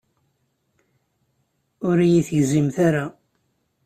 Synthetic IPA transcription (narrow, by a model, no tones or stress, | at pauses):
ʊɾijiθəʝzimθaɾa